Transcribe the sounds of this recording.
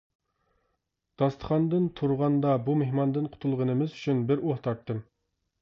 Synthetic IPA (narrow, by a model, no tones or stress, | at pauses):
d̪̥ɑst̪ʰə̥χɑnd̪ɨnt̪ʰuɾʁɑnd̪ɑbumehmɑnd̪ɨnqʰʊ̥t̪ʰulˠʁənɨmɪzyt͡ʃʰynbɪɾoht̪ʰɑɾt̪ːɨm